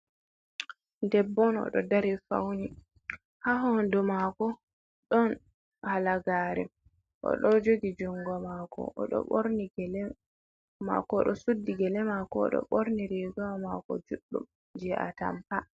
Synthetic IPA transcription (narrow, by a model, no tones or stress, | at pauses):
ndɛbːɔnɔ̰ɗɔ̰daɾifa̰wni | haɦɔndumakɔ | ɗɔn | halaɡaːɾɛ | ʔɔ̰ɗɔd͡ʒoɡid͡ʒɔŋɡɔmakɔ̰ʔɔɗɔ̰ɓoɾniɡɛlɛ | ma̰kɔɗɔsudːiɡɛlɛmakɔɗɔ̰ɓoɾniɾɛɡawamakɔ̰d͡ʒuɗːṵm | d͡ʒɛʔa̰ta̰mpa